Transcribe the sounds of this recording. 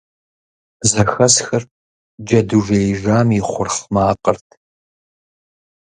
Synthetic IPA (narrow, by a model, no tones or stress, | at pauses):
zɐxɐsxɐr | d͡ʒɐduʒejɪʒaːmiχʷʊrχmaːqərtʰ